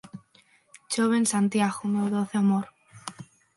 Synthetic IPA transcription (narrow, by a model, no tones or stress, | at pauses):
t͡ʃoβensant̪jaɣomewðoθeamoɾ